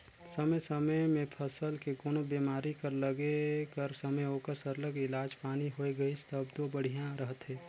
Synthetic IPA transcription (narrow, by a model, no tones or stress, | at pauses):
səməjsəməjmẽpʰəsəlkekoːnobeːmaːɾikəɾləɡekəɾsəməjɦoːkəɾsəɾləɡɪlaːd͡ʒpaːniɦoːeɡəist̪əbd̪oːbəɽ̤ʱijãɾəɦət̪ɦeː